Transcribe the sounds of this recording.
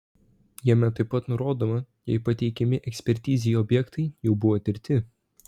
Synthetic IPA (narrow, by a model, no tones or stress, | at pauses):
jɛmʲɛt̪ɐɪpːɐt̪nʊɾoːd̪oːmɐ | jɛ̰ɪpɐt̪ʲɛɪkʲɛmʲɪʔɛksʲpʲɛɾʲt̪ʲiːzʲɪjuɔːbʲjɛkt̪ʰɐɪjɛʊbʊʋoːt̪ʲɪɾʲt̪ʲɪ